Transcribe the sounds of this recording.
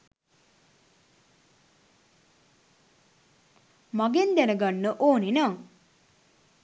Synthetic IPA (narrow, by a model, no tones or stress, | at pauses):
maɡend̪enəɡanːəʔoːninaŋ